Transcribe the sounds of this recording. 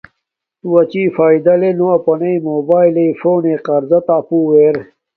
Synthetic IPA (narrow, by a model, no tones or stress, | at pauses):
t̪uwɐt͡ɕiːfaːjd̪ɐlenoɐpɐnɐimoːbaːjleifoːneqɐɾzɐt̪aːpuːweːɾ